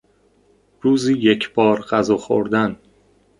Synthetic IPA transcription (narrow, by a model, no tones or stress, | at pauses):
ɾuːziːjecʰb̥ɒːɾɢæzɒːxo̰ɾd̪æn